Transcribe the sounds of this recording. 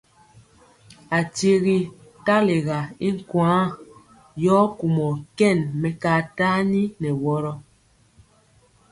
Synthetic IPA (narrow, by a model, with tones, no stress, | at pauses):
a˨te˦ɣi˨ | ta˦le˨ɣa˨i˦ŋ̩˦˨kwãː˨˦ | jɔː˦ku˨mɔ˨kɛ˦˨nmɛ˨kaː˦˨ta˦ni˦nɛ˨wɔ˦ɾɔ˦